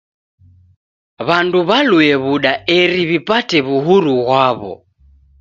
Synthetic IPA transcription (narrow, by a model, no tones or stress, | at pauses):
βanduβaluɛβuɗaɛɾiβipatɛβuɦuɾuɣwaβɔ̰